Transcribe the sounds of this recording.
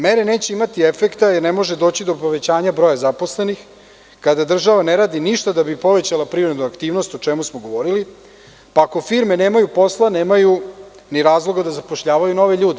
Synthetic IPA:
meɾeneːt͡ɕeimat̪iefekt̪ajeɾnemoʒed̪o̞ːt͡ɕid̪o̞poʋe̞t͡ɕaːɲabɾo̞jazapo̞sle̞nix | kad̪ad̪r̩ʒaʋaneɾaːd̪iniʃt̪ad̪abipo̞ʋet͡ɕalapɾiɾed̪nuakt̪iːʋno̞st̪ot͡ʃemusmoɡo̞ʋo̞ɾili | paːko̞fiɾme̞neːmajupo̞slˠaneːmaju | niɾaːzlˠo̞ɡad̪azapoʃʎaːʋajuno̞ʋe̞ʎuːd̪e

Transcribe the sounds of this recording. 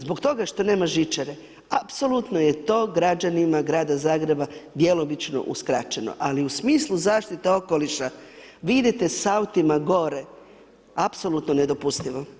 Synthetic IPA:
zbo̞kt̪o̞ɡaʃt̪o̞ne̞ːmaʒit͡ʃeɾe | apso̞lˠut̪noje̞t̪o̞ːɡɾad͡ʑanimaɡɾaːd̪azaːɡɾe̞bad̪je̞lo̞bit͡ʃno̰ʔṵskɾat͡ʃe̞no̞̰ʔaliusmiːslˠuzaːʃt̪it̪e̞o̞ko̞liʃa | ʋid̪et̪e̞saut̪imaɡo̞ɾe̞ | apso̞lut̪none̞d̪o̞pust̪iʋo

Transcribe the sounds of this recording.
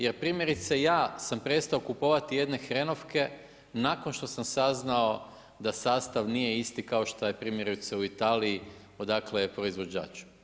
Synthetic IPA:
je̞ɾpɾimje̞ɾit̪sejaːsampɾe̞st̪aokupoʋat̪ije̞d̪ne̞xɾe̞no̞fke̞ | nako̞nʃt̪o̞samsaznao̞ | d̪asaːst̪aʋnije̞ist̪ikao̞ʃt̪ojepɾimjeɾuit̪seuit̪aːliː | o̞d̪akle̞pɾo̞izʋo̞d͡ʑa̰ːt͡ʃu̥

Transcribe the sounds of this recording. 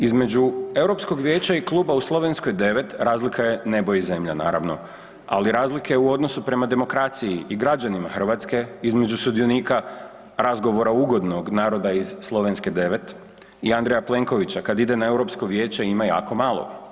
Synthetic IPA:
izme̞d͡ʒue̞wɾo̞psko̞ɡʋje̞ːt͡ɕaiklˠuːbauslˠo̞ʋe̞nsko̞jd̪e̞ʋe̞t̪ɾaːzlikʰaje̞ne̞bojize̞mʎana̰ːɾa̰ʋno̞̰ | a̰liɾaːzlike̞uo̞d̪no̞supɾe̞mad̪e̞mo̞kɾat̪sijiʔiɡɾad͡ʒanimaxr̩ʋat̪ske̞izme̞d͡ʒusud̪io̞niːka | ɾazɡo̞ʋo̞ɾauɡo̞d̪no̞ɡnaːɾo̞d̪aizslˠo̞ʋe̞nske̞d̪e̞ʋe̞t̪ | iand̪ɾejaple̞ŋko̞ʋit͡ɕakad̪id̪e̞nae̞wɾo̞psko̞ʋje̞ːt͡ɕeimaja̰ːko̞malˠo̰

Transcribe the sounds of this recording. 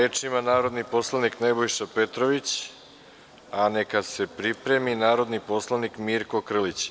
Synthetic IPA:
eːt͡ʂimanaːɾo̞d̪nipo̞slˠaniknebojʃape̞t̪ɾoʋit͡ɕ | ane̞kase̞pɾipɾe̞minaːɾo̞d̪nipo̞slˠanikmiɾko̞kr̩lit͡ɕ

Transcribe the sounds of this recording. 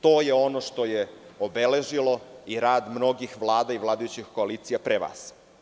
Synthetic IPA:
t̪o̞ːjeo̞noʃt̪o̞jeobele̞ʒilo̞iɾaːd̪mno̞ɡixʋlˠaːd̪aiʋlˠaːd̪ajut͡ɕixkoaliːt̪sijapɾeʋa̰ːs

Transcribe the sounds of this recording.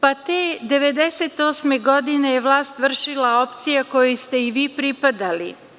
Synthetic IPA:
pat̪eːd̪e̞ʋe̞d̪eset̪o̞ːsmeɡo̞d̪inejeʋlˠaːst̪ʋr̩ʃilao̞pt̪sijako̞just̪e̞iʋiːpɾipad̪alḭ

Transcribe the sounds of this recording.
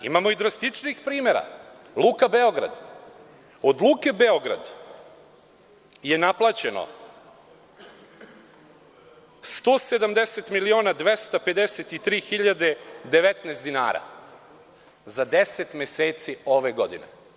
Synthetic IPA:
ḭmamo̞id̪ɾast̪it͡ʂnixpɾiːmeɾa̰ | lˠuːkabe̞o̞ɡɾa̰d̪ | o̞d̪luːke̞beoɡɾa̰d̪ | je̞naplˠat͡ɕeno̰ | st̪o̞ːsed̪amd̪eset̪milio̞ːnad̪ʋe̞st̪ape̞d̪eset̪it̪ɾiːxiʎad̪ed̪e̞ʋet̪nest̪d̪ina̰ːɾa̰ | zad̪eset̪mjeseːt̪sio̞ʋe̞ɡod̪inḛ

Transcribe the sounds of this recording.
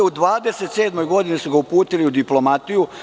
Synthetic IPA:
ud̪ʋaːd̪ese̞t̪seːd̪mo̞jɡo̞d̪inisuɡaupuːt̪iliud̪iplo̞mat̪iju

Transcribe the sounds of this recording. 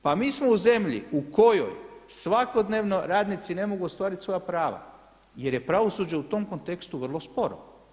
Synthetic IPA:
pamiːsmo̞uze̞mʎḭukʰo̞jo̰jsʋako̞d̪neːʋno̞ɾaːd̪nit̪sine̞mo̞ɡuost̪ʋaːɾit̪sʋo̞japɾaːʋa̰ | je̞ɾje̞pɾaʋo̞suːd͡ʑeut̪o̞mko̞nt̪ekst̪uʋr̩lˠo̞spo̞ɾo̰

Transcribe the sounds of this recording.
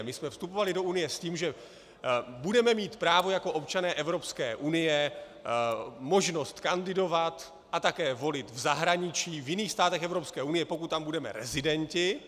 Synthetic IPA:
mɪsmɛfst̪up̬o̞valɪdo̞ʔunɪjɛsciːmʒɛ | budɛmɛmiːt̪pɾaːvo̞jako̞ʔo̞pt͡ʃanɛːʔɛvɾo̞pskɛːʔunɪjɛ | mo̞ʒno̞st̪kandɪdo̞vat̪ | ʔat̪akɛːvo̞lɪt̪vzaɦɾaɲɪt͡ʃiːvjɪniːxst̪aːt̪ɛxɛvɾo̞pskɛːʔunɪjɛpo̞kut̪ːambudɛmɛ̰ɾɛ̰zɪdɛɲcɪ

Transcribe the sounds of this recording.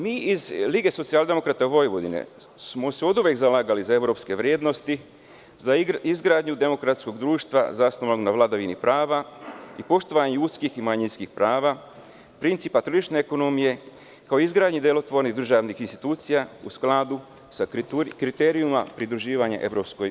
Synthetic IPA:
miːizliɡe̞so̞t̪siald̪e̞mo̞kɾat̪aʋo̞jʋod̪ḭnḛ | smo̞seo̞d̪uʋjekzalaːɡalizae̞ʋɾo̞pske̞ʋɾje̞ːd̪no̞st̪i | zaizɡɾaːd̪ɲud̪e̞mo̞kɾat̪sko̞ɡd̪ɾuːʃt̪ʋa̰zasnoʋanoɡnaʋlˠad̪aʋinipɾaːʋaipo̞ʃt̪oʋaɲejuːt̪skiximaɲinskixpɾaːʋa | pɾint̪siːpat̪ɾoʒit͡ʃne̞ːko̞nomije̞ | kaoizɡɾaːd̪ɲid̪elo̞t̪ʋo̞ɾniɣd̪r̩ʒaʋnixinst̪i̥t̪uːt̪sijausklad̪u | sakɾit̪eɾijumapɾid̪ɾuʒiːʋaɲa̰ʔe̞ʋɾo̞psko̞j

